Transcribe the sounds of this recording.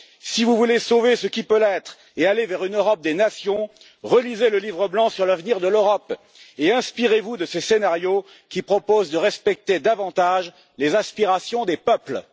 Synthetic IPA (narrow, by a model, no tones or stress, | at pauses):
sivuvulesovesəkʲipølɛt̪χ | ealevɛʁynøʁɔp̚d̪enasjɔ̃ | ʁəlizeləlivʁəblɑ̃syʁlavniʁd̪əløʁɔp | eɛ̃spiʁevud̪əsesenaʁjo | kʲipχɔpozd̪əʁɛspɛk̚t̪ed̪avɑ̃t̪aʒ | lezaspiʁasjɔ̃d̪epœpl